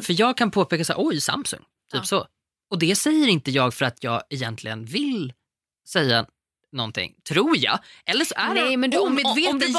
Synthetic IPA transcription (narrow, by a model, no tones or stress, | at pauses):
fœjɑːɡ̚kʰanpʰoːpʰeːkasa̰ːɾʔɔjsa̰msɵ̰ŋ | t̪ʰyːpsɔ | ɔd̪ɛsɛjːəɾɪnt̪əjɑːɡfœɾat̪ʰjɑːɡɛjɛnt̪lɪɡənvɪl | sɛjːa | nɔnt̪ʰɪ̰ŋːt̪ʰɾuːɾjɑ̰ːʔɛlːəʂɔʔæɛɔmɪveːd̪